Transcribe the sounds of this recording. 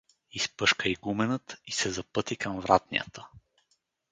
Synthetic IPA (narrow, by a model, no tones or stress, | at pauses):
ispɤʃkəiɡumɛnət̪isɛzɐpɤt̪ikəmvɾʔat̪nḭə̰t̪ʰə̥